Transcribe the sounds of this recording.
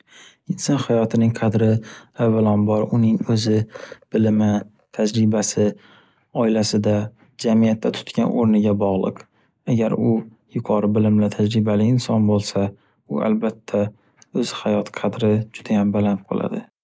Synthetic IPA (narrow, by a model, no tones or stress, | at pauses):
ɪnsɒnhajɒt̪ʰɪnɪŋqʰɑd̪ɾɪavːalɒnbɒɾʊnɪŋɵzɪb̥ɪlɪmɪ | t̪ʰad͡ʒɾɪbasɪ | ɒɪlasɪd̪a | d͡ʒamijat̪ːat̪ʰʊ̥t̪kʲanʔoɾnɪɡʲabɒʁlˠɨq | aɡʲaɾʊ | jʊqʰɒɾɪbɪlɪmlat̪ʰad͡ʒɾɪbalɪɪnsɒnbolˠsa | ʊa̰lbat̪ʰːa | ɵzhajɒt̪ʰqʰɑd̪ɾɪd͡ʒʊd̪ajambalanɪp̚qʰo̰lˠʔa̰d̪ɪ